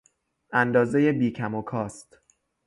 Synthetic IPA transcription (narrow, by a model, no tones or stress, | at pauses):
ʔænd̪ɒːze̞je̞biːkʰæmokʰɒːst̪